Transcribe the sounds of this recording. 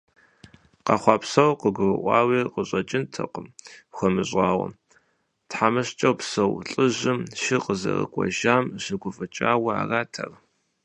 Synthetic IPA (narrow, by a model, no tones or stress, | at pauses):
qɐχʷɑːpsɐwqəɡʷʊrɨʔʷɑːwiːqəɕʼɐt͡ʃʼɪntʰɐqʷəmxʷɔmɨɕʷʼɑːwɐ̰ | tħamɨɕt͡ʃʼɐwpsɐwɬʼɨʑɪmʃɪqəzɐ̰rɨ̰kʷʼɔ̰ʒaːmɕɪɡʷʊfʼɨt͡ʃʼaːwɐa̰ːraːtʰɐr